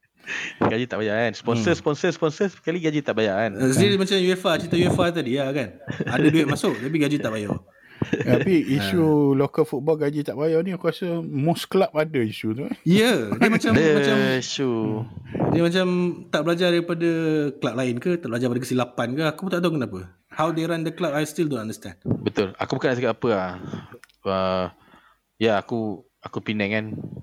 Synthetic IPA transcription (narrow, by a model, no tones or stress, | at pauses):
ɡad͡ʒit̪a̰ʔbajaanspɔnsəspɔnsəspɔnsəskaliɡad͡ʒit̪aʔbajaansədiɾimat͡ʃamjuɛfat͡ʃit̪ajuɛfat̪adiakanadaduɛt̪̚masʊk̚t̪ap̬iɡad͡ʒit̪aʔbajɔ̰ | t̪apiiʃulokəlfut̪̚bɔlɡad͡ʒit̪aʔbajɔnĩkuasəmɔsklap̚adaiʃut̪uijədiəmat͡ʃamdəmat͡ʃaiʃu | dəmãt͡ʃamt̪aʔbəlad͡ʒadaɾipadəklap̚laɪnkət̪aʔbəlad͡ʒapadəkəsilapankaakut̪aʔt̪auŋkənapə | hawdeɾandəklap̚ajst̪ildõnãndəst̪ã̰ndbət̪ʊla̰kubəkanaskat̪apəa | ə | jaaku | akupinaŋan